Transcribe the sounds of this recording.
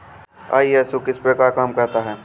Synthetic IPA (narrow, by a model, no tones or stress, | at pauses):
a̰ːiɛːsokɪspɾɐkakaːmkɐɾt̪aɦɛː